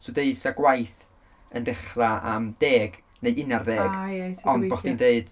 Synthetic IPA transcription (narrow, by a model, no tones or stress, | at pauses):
sodeɨsaɡwajθ | əndɪχraa̰md̥eːɡ | nejɪnarðeːɡɔndboχd̥indeɨd̥